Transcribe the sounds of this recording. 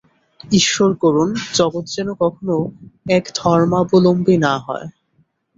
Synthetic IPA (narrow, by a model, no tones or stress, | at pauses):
iʃːoɾkɔɾund͡ʑɔɡot̪d͡ʑenokɔkʰonoɛkd̪̥ʱɔɾmabolombinaɦɔ̰e